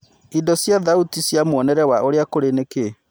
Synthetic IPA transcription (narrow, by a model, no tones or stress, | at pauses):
idɔsjaðautisjamoɔnɛɾɛwaʔoɾeakoɾeneke